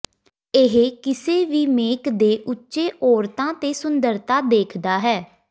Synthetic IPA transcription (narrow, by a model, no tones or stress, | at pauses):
ɪɦkɪseːʋiːmeːkd̪eːʔʊtːʃeːʔɔːɾt̪ãːt̪eːsʊnd̪əɾt̪aːd̪eːkʰd̪aːɦɛː